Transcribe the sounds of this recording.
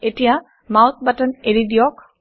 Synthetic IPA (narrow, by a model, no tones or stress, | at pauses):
etija | mawt̪̚ʰbataneɹidijɔk